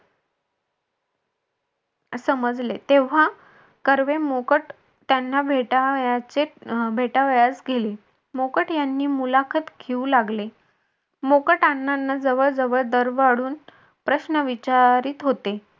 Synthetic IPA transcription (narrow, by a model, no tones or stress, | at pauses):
səməd͡zlet̪eʋ̤a | kəɾʋemokəʈ | t̪janːabʱeʈajat͡sebʱeʈaʋjad͡zɡʱele | mokəʈjanːiːmulakʰət̪ɡʰeulaɡle | mokəʈanːanːad͡zəʋəɾd͡zəʋəɭd̪əɾʋaɽuːn | pɾəɕnəʋit͡ɕaɾiːt̪ɦot̪e